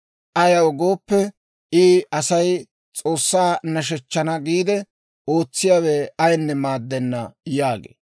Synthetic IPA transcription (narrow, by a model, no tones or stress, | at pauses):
ʔɐjɐwɔɡo̞ːpːɛ | ʔɪːɐsɐj | t͡sʼo̞ːsːaːnɐʃ̬ɛt͡ʃːɐnɐɡiːd̪ɛ | o̞ːt͡sːɪjaːweɐjnːɛmaːd̪ːɛnːɐjaːɡḛː